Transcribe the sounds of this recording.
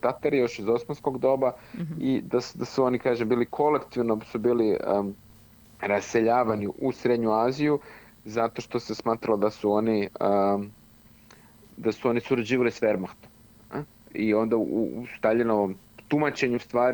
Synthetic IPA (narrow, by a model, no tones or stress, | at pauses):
t̪at̪aɾijo̞ʃizo̞smansko̞ɡd̪o̞ːbaid̪asd̪asuo̞nikaːʒembiːlikʰo̞le̞kt̪iʋnosubiːli | ɾasse̞ʎaːʋaniʔusɾed̪ɲuaːziju | zat̪o̞ʃt̪o̞se̞smaːt̪ɾalod̪asuo̞niə | d̪asuo̞nisuɾad͡ʑiːʋalisfe̞ɾmaxt̪om | io̞nd̪aṵst̪aʎinoʋom | t̪umat͡ɕe̞ɲust̪ʋaːɾ